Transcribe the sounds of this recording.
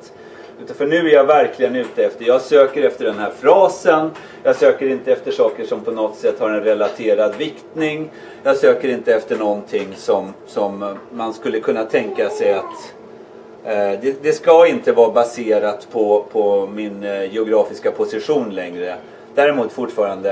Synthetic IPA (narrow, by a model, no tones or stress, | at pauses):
t̪ | ʉ̟ːt̪anfœɳʉ̟ːæɾjavæɾklɪɡənʉ̟ːt̪əɛft̪əɾjɑːɡsøːkəɾɛft̪əɖɛnhæːɾfɾɑːsən | jɑːsøːkəɾɪnt̪əɛft̪əʂɑːkəʂɔmpʰɔnɔt̪sɛt̪ːhaɾɛnɾɛlat̪ʰeːɾad̪vɪkt̪nɪŋ | jɑːɡsøːkəɾɪnt̪əɛft̪əɳɔnt̪ʰɪŋːsɔmsɔmːanskɵlːəkʰɵnːat̪ʰɛŋkasɛjat̪ | d̪ɛd̪ɛskaɪnt̪əvɑːbaseːɾat̪pʰɔpʰɔmɪnjɛʊɡɾɑːfɪskapʰʊsɪɧuːnlɛŋɾə | d̪æːɾɪmuːt̪fʊʈːfɑːɾand̪ə